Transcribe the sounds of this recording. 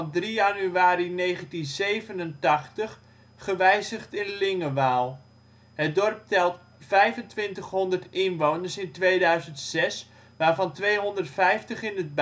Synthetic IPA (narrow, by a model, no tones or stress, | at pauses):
ndrijanyaːɾinejχəntinzejvənəntɑχtəχ | χəʋɛjzəχtɪnlɪŋəʋaːlˠ | ɦət̚dɔrp̚tɛlˠt | fɛjvəntʋɪntəχɦɔndərtɪnʋownəɹsɪntʋejdœɥzəntsɛs | ʋaːɹvɑntʋejɦɔndərtfɛjftəχɪnəd̚b